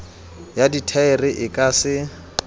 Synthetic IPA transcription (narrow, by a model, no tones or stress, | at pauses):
jaditʰaɛrɪʔɪkʼasɪ